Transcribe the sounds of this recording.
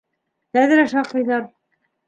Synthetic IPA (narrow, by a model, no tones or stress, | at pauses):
hæðɘ̆ɾæʃɑqːɤ̆jðɑɾ